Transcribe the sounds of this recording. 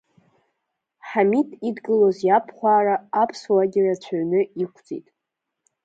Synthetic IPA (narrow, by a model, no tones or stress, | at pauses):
ħamitʼidɡɨlozjapʰχʷaːraːpʰswaɡʲɪrat͡ɕʷʰaɥnɨikʷʰd͡zḭtʼ